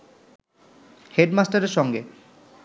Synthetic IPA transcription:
heɖmasʈaɾeɾʃɔŋɡe

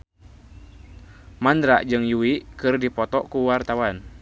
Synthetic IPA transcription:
mand̪ɾaʔd͡ʒɨŋjuwiʔkɨrdipɔt̪ɔʔkuwart̪awan

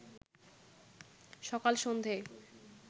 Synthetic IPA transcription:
ʃɔkalʃond̪ʱe

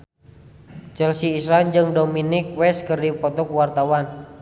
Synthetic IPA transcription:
t͡ʃɛlsiːsɾand͡ʒɨŋdominik̚wɛskɨrdipɔt̪ɔkwart̪awan

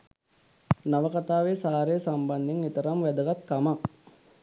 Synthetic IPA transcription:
naʋəkat̪aːʋeːsaːɾesamband̪eŋet̪əɾamʋæd̪əɡat̪̚kama

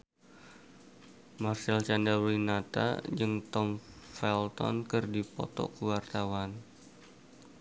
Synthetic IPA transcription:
marsɛlt͡ʃandawlinat̪a̰d͡ʒəŋt̪ɔmfɛlt̪ɔ̰nkɨrdipɔ̰t̪ɔ̰kəwart̪awan

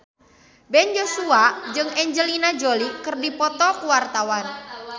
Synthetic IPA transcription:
bɛnjosuad͡ʒɨŋɛɲd͡ʒəlinad͡ʒolikɨrdipɔt̪ɔkuwart̪awan

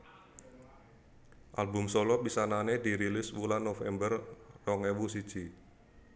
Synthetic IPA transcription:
ʔa̰lbʊmsolɔpisananed̪iɾilɪswulanːofɛ̰mbərrɔŋewusid̥ʒ̥i

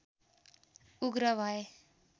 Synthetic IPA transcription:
uɡɾʌʋae

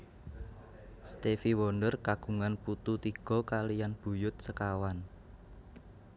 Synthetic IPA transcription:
st̪efiwɔnɖərkaɡ̥ṳŋanput̪ut̪iɡ̥ɔ̤kalijanb̥ṳjʊt̪̚səkawan

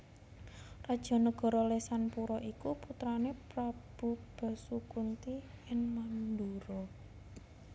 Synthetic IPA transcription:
rad̥ʒ̥ɔ̤nəɡ̥ɔ̤ɾɔlesanpuɾɔʔikuput̪ɾanepɾab̥ṳb̥a̤sukunt̪iɪnmand̪uɾɔ

